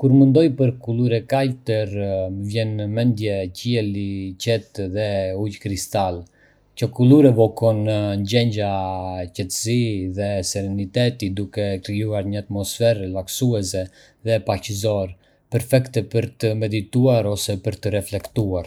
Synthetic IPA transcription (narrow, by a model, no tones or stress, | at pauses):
kuɾmənd̪ɔjpəɾkuluɾɛkajt̪əɾvjɛnəmɛnd̪jɛciɛlicɛt̪ðɛujkɾist̪al | cəkuluɾɛvɔkɔnnɟɛɲɟacɛt̪əsiðɛsɛɾɛnit̪ɛt̪id̪ukɛkɾijuaɾɲəat̪mɔsfɛɾlaksuɛsɛ | ðɛpacəzɔɾ | pɛɾfɛkt̪ɛpəɾt̪əmɛd̪it̪uaɾɔsɛpəɾt̪əɾɛflɛkt̪uaɾ